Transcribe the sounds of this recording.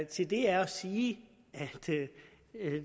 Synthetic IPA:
t͡sʰe̝ld̥e̝æɐɒsiː | æd̥

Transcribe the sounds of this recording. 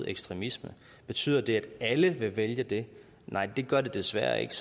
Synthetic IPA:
eɡ̥sd̥ʁɛmismə | b̥e̝t͡sʰy̰ːð̰ˠɐd̥e̝æd̥æləʋe̝ʋeljəd̥e̝ | nʔɑ̈ɪ̰d̥e̝ɡ̥ɶɐd̥e̝d̥e̝sʋæɐ̰ḛɡ̥s

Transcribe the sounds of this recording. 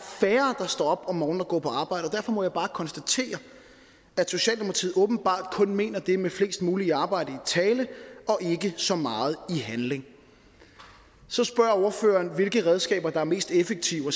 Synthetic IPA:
fæːɐd̥ɑ̈sd̥ɒ̰ːɒ̽b̥ɒ̽mːɒːn̩ɐɡ̥ɔ̰ːpʰɒ̽ɑ̈ːb̥ɑ̈ɪ̰ɾ̥əɒ̽d̥æɐfɒ̽mɒ̽jɑɪbɑ̈ːkʰɒ̽nsd̥æt͡sʰe̝̰ːɐ | æ̥so̝ɕɛ̰ːldemo̥pʰɑt͡sʰḭð̩ˠɔ̽ːb̥n̩b̥ɑ̰̈ːd̥kʰɔ̽nme̝̰ːnɐd̥e̝mefle̝ːsd̥muːliɑ̈ːb̥ɑ̈ɪ̰ɾ̥əit͡sʰɛːləɒ̽ʔe̝ɡ̥əsɒ̽mɑ̈ːð̞̩ˠiɦænle̝ŋ | sɒ̽sb̥ɶɐ̰o̝ɐfø̰ːɐnʋe̝lɡ̥əʁɛð̞ˠsɡ̥ɛ̰ːb̥ɐd̥ɑ̈æɐme̝̰ːsd̥efeɡ̥̚t͡sʰiʊɒ

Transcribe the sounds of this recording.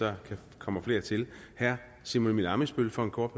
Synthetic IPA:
ɒkʰæ | kʰɒ̽m̰ɐfle̝ɐt͡sʰe̝l | hæɐ̰ | simo̝nminɑ̈məsb̥ølfɒ̽e̝nkʰɒ̥ːb̥ʰ

